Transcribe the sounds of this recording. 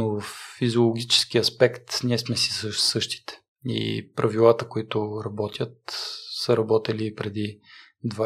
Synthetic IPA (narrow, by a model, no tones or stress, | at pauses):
novəfːizʲolˠoɡʲit͡ʃɛ̥skiɐspɛkt̪nʲiɛsmɛsi̥səsɤʃt̪i̥t̪ɛ̥ | ḭpɾʔɐvilˠat̪əkoit̪ʊɾɐbɔt̪ʲjət̪səɾɐbɔt̪ɛliːpɾɛd̪i | d̪va